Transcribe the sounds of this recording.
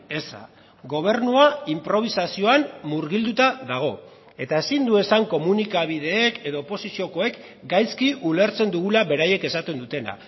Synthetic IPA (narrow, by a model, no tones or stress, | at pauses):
e̞sa̰ | ɡo̞β̞e̞ɾnuaimpɾo̞β̞isasio̞anmuɾɣild̪ut̪aðaɣ̞o̞ | e̞t̪ae̞sind̪ue̞saŋko̞munikaβ̞ið̞e̞ːke̞ðo̞ːpo̞sisio̞ko̞e̞k | ɡajskiule̞ɾt͡se̞nd̪uɣulaβe̞ɾaje̞ke̞sat̪e̞nd̪ut̪e̞na̰